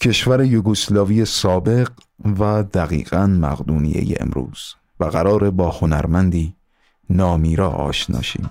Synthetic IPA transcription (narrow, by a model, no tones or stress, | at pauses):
cʰe̞ʃvæɾejoɡoslɒːvije̞sɒːbe̞ɢ | væd̪æɣḭːɣænmæ̰ɣd̪uːnḭjḛjḛʔḛmɾṵːz̥ | væɣæɾɒːɾe̞bɒːhonæɾmænd̪iː | nɒːmiːɾɒːɒ̰ːʃnɒ̰ːʃḭːm